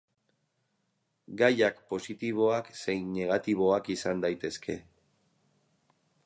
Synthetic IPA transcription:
ɡajakpo̞sit̪iβ̞o̞akse̞jne̞ɣ̞at̪iβ̞o̞akisand̪ajt̪e̞skʰe̞

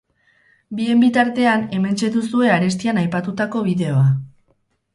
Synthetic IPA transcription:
bie̞mbit̪aɾt̪e̞ane̞me̞nt͡ʃe̞t̪usue̞aɾe̞s̬t̪ianajpat̪ut̪ako̞βiðe̞o̞a

